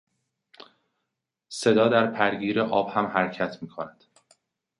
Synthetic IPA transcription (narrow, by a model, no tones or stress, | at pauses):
se̞d̪ɒːd̪æɾpʰæɾɡiːɾeʔɒːb̥hæmhæɾcʰæt̪ʰmiːkʰonæd̪̥